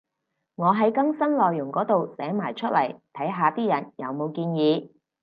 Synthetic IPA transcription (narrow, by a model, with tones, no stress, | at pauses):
ŋɔː˨˧ɦɐ˨˥jkɐ˥ŋsɐ˥nlɔː˨jːʊ˨˩ŋkɔː˨˥t̪o˨wsɛː˨˥ŋmaː˨˩jt͡ʃʰɵ˥t̚lɐ̰˨˩jt̪ʰɐ˨˥jɦaː˨˧t̪iː˥jɐ˨˩njɐ˨˧wmo˨˧wkiː˧njiː˨˧